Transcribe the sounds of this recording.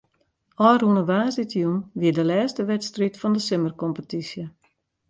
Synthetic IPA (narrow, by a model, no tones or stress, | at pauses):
ʔɔjrhunəʋaːsitjunʋiədəlɛːstəʋɛtstritfɔndəsɪmərkɔmpətisjə